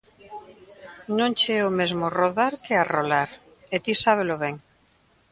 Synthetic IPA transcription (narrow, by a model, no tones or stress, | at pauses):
nõŋt͡ʃeɛomezmoroðaɾkearolaɾ | et̪isaβ̞eloβɛŋ